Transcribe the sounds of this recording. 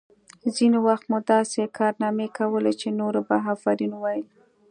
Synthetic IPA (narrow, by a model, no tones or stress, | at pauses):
zinowaxt̪mʊd̪ɑsekʰɑɾnɑmekawəlet͡ʃenoɾobaɦɑfaɾinwajəl